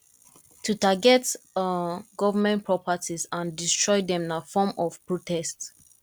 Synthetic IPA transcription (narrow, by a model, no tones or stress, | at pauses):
tʰutaɡɛt | ɡɔvəmɛ̃npʰɹɔpatʰizãndistɹɔɪdɛ̃m̃nafɔmɔv̥pɹotɛst